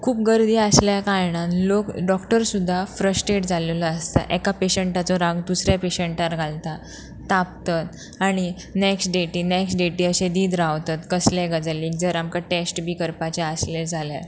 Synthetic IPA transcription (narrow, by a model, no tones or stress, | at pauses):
kʰuːp̚ɡəɾd̪ʱiːəsljakajɳ̃ãnlokɖɔkʈəɾsud̪ʱːafɾəsʈɾeʈd͡zallaəst̪a̰ʔɛkapeɕəɳʈat͡sɔɾãɡd̪usɾjapeɕəɳʈaɾɡʱalt̪a | t̪ap̚t̪at̪ | aɽ̃i | neksʈɖeʈiːnɛksʈɖeʈiəɕẽd̪iːd̪ɾaʋt̪at̪kəslɛɡad͡zalikd͡zəɾamkaʈesʈbʱikəɾpat͡ɕaəsled͡zʱalja